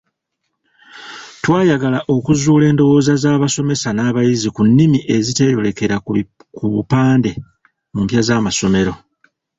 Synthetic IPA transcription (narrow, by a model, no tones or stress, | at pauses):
twaːjaɡalaʔo̞kuzuːle̞ːndo̞wo̞ːzazaːβaso̞me̞sanaːβajizikunːimiʔe̞zite̞jo̞le̞ke̞ɾa | kuβupaːnde̞ | mumpjazaːmaso̞me̞ɾo̞